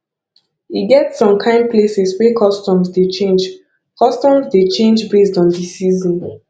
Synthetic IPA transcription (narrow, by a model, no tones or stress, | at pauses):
iɡɛtsɔ̃mkʰãɪ̃nplesɛswɛkʰɔstɔ̃mzdet͡ʃẽnd͡ʒ | kʰɔstɔ̃mzdet͡ʃẽnd͡ʒbesdɔ̃ndisizɔ̃n